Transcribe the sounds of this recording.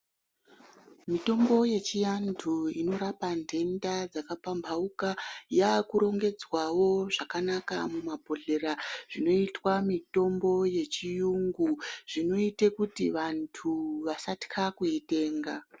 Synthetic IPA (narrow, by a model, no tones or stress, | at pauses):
mito̞mbo̞je̞t͡ʃijantʰuino̞ɾapandʱe̞ndad͡zakapambʱaukajakuɾo̞ŋɡe̞d͡zwawo̞ʐakanaka̰mumabʱo̞ɮe̞ɾaʐ̥ino̞itwamito̞mbo̞je̞t͡ʃijuŋɡuʐ̥ino̞itekutiʋantʰuʋasati̥kʰakuite̞ːŋɡa